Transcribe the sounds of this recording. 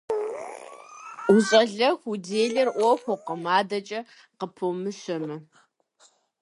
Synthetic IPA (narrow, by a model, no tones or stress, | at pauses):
uɕʼɐɮɐxʷudeːɮɪrʔʷɔxʷɔqəmaːdɐt͡ʃʼɐ | qəpʰɨmɨɕɐmɨ